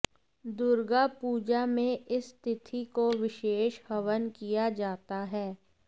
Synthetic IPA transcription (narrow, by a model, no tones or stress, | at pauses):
d̪ʊɾɡapuːd͡ʒamẽʔɪst̪ɪt̪ʰikoʋɪʃeːʃhɐʋənkijad͡ʒaːt̪aɦɛː